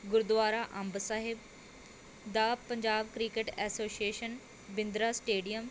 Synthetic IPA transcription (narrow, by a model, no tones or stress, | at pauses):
ɡʊɾd̪ʋaːɾaːʔɐmbsaːɦɪb | d̪aːpəɲd͡ʒaːbkɾikeʈɛːsoːsieːʃən | bɪ̃nd̪ɾaːsʈeːɖijəm